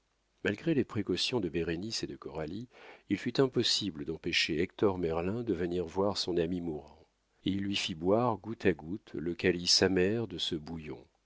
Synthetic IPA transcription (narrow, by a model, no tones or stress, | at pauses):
malɡʁelepχekɔsjɔ̃d̪əbeʁenised̪əkɔʁaliilfyt̪ɛ̃pɔsibləd̪ɑ̃peʃeɛk̚t̪ɔʁmɛʁlɛ̃d̪əvəniʁvwaʁsɔ̃namimuʁɑ̃ | eilːɥifibwaʁɡut̪ʰaɡut̪ləkalisamɛʁd̪əsəbujɔ̰̃